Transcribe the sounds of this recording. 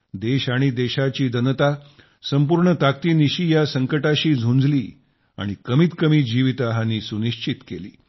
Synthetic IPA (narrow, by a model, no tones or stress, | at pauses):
d̪eɕaɽ̃id̪eɕat͡ɕiːd̪ənət̪a | səmpuɾɳət̪ak̚t̪iːniɕiːjasəŋkəʈaɕiːd͡zʱund͡zliː | a̰ɽ̃ikəmiːt̪kəmiːd͡ʑiʋit̪aɦaniːsuniɕt͡ɕit̪kelḭː